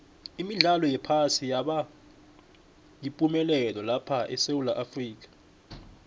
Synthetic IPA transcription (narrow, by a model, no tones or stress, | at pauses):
imiɮalɔjɛpʰasijaɓa | jipʼumɛlɛlɔlapʰaʔɛ̰sewulaʔafriːk̬ʼḁ